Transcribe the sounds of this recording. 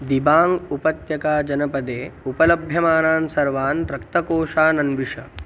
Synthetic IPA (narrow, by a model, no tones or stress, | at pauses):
d̪ibaːŋɡupɐt̪jɐkaːd͡ʒɐnɐpɐd̪eːupɐlɐbʱjɐmaːnaːnsɐɾʋaːnɾɐkt̪ɐkoːʂaːnɐnʋiʂɐ̰